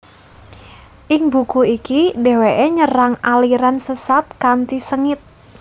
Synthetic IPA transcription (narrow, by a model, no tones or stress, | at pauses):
ʔɪŋbukuikideweʔeɲəɾaŋaliɾansəsat̪̚kant̪isəŋɪt̪̚